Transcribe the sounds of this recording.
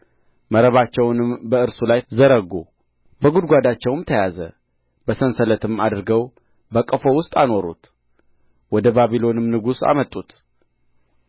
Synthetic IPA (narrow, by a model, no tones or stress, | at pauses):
məɾəβat͡ʃːɛwnɨmbəɨɾsulajzəɾəɡu | bəɡud̪ɡʷad̪at͡ʃːɛwmt̪ʰəjazə̰ | bəsənsələt̪ʰɨmad̪ɾɨɡəw | bəkʼəfo̞wʊst̪ʼano̞ɾṵt̪ | wɔd̪əbaβilo̞nɨmnɨɡusa̰mət̪ʼːut̪